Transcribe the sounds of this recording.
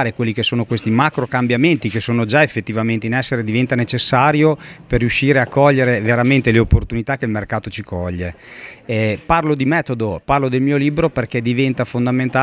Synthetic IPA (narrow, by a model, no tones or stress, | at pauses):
ɾekwelːikesːoːnokwest̪imakɾokambjament̪ikesːoːnod͡ʒaefːet̪ːivament̪einɛsːeɾed̪ivɛnt̪anet͡ʃesːaːɾjoperːjuʃːiːɾeakːɔʎːeɾeveɾament̪eleopːort̪unit̪akːeilmerkaːt̪ot͡ʃikʰɔʎːe | parlod̪imɛːt̪od̪oparlod̪elmiːoliːbɾoperked̪ivɛnt̪afond̪ament̪aː